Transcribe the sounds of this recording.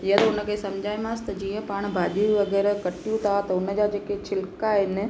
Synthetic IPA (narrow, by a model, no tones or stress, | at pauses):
jɐt̪oʊnə̆kʰesɐmd͡ʒʱaːimãst̪ɐd͡ʒijə̃paːɽ̃bʱaːɗiʋɐɡɛːɾkɐʈjũt̪ʰat̪ɐʊnəd͡ʒad͡ʒeːket͡ʃʰɪlkaɦɪn